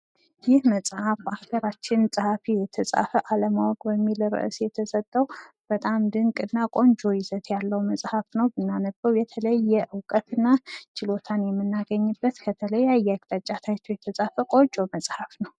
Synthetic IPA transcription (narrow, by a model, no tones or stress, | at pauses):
jɪhməsʼhafaɡəɾat͡ʃːɪnsʼɨhafijɛt̪ʰəsʼa̰fəʔaləmawɔkʼbəmːilɾɨ̰ʔɨsjɛt̪ʰəsət̪ʼːəw | b̥ət̪ʼamd̪ɨŋkʼɨnːakʼo̞nd͡ʒo̞jɪzət̪jalːəwməsʼhafnəwbɨnːanəbəwjɛt̪ʰələjːɛʔɨwkʼət̪ɨnːat͡ʃɪlo̞t̪ʰanjɛmːɨnːaɡəɲːɨbːət̪kʰət̪ʰələjːajːaɡ̚t̪ʼat͡ʃʼːat̪ʰat͡ʃːowjɛt̪ʰəsʼafəkʼo̞t͡ʃʼoməsʼhafnəw